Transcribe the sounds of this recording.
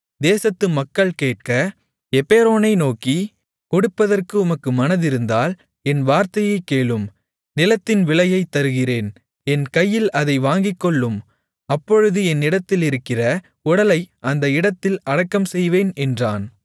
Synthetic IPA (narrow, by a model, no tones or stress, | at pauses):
d̪eːsɐt̪ːɯmɐkːɐɭkeːʈ̚kɐ | ɛpeːɾoːnɐɪnoːki | kʊɽʊpːɐðɐrkɯʊmɐkːɯmɐnɐðɪɾɯnd̪aːl | ɛnʋaːɾt̪ɐjɐɪkːeːɭɯm | nɪlɐt̪ːɪnʋɪɭɐjɐɪt̪ːɐɾɯɣɪreːn | ɛnkɐjːɪlɐðɐɪʋaːŋɡɪkːɔɭːɯm | ɐpːɔɻɯðɯɛnːɪɽɐt̪ːɪlɪɾɯkːɪrɐ | ʊɽɐlɐɪʔɐnd̪ɐɪɽɐt̪ːɪlɐɽɐkːɐmsɛjʋeːnɛndraːn